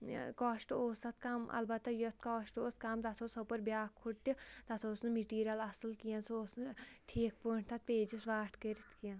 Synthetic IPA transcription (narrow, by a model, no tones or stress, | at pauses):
kɔːʃʈoːsɐt̪̚kɐmɐ̰lbɐt̪ːajot̪ʰkɔːʃʈoːskɐmt̪ɐt̪ʰoːsopəɾbjaːkʰːuʈt̪it̪ɐt̪ʰoːsnumeʈiːɾijɐlɐsəlkijãːsoːsnʈʰiːk̚poːɳt̪ʰɐt̪̚peːd͡ʒisʋaːʈʰkəɾit̪ʰkijãː